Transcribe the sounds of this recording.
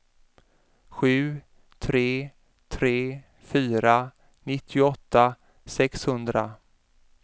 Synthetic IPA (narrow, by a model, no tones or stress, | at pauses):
ɧʉ̟ː | t̪ʰɾeː | t̪ʰɾeː | fyːɾa | nɪt̪ʰːɪʊɔt̪ʰːa | sɛkshɵnd̪ɾa̰